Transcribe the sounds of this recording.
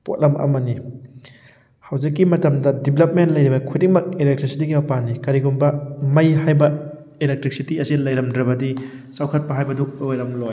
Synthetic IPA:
po̰t̚lɐmʔɐ̰mɐni | hawd͡ʒikːimɐtɐmdɐdiblɐp̚mentlɐjɾibɐkʰudiŋmɐk̚ilek̚tɾisitiɡimɐpanːikɐɾiɡunbɐmɐjɦajbɐ | ilek̚tɾik̚sitiɐsilɐjɾɐmdɾɐbɐdi | sawkʰɐt̚pɐɦajbɐduojɾɐmloj

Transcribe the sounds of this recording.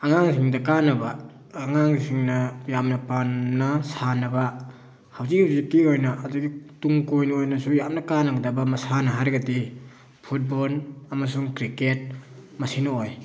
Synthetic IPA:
aŋaŋs̬iŋdɐkanɐbaː | ŋaŋsiŋnɐjamnɐpannɐsanɐba | hawzik̚hawzikːiojnɐʔːduɡituŋkojnuojnɐsujamnɐkanɐɡɐdabamɐsanɐɦaɾɡɐti | pʰut̚bolɐmasuŋkɾiket̚mɐsinooj

